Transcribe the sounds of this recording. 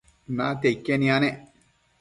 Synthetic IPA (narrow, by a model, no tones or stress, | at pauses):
nat̪eikːenĩanɛ